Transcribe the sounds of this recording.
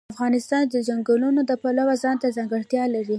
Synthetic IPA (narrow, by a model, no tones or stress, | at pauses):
afɣɑnɪst̪ɑnd̪əd͡ʒaŋɡəlunod̪əpalawazɑnt̪azɑŋɡəɽt̪jɑlaɾi